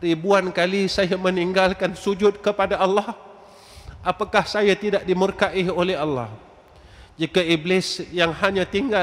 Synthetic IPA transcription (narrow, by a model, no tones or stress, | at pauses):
ribuankalisajaməniŋɡalkansud͡ʒʊt̪̚kəpadaalːɑh | ʔapakahsajat̪idaʔ̚dimurkaʔiolɛɦalːa̰h | d͡ʒikaiblɪsjaŋhaɲãt̪iŋɡa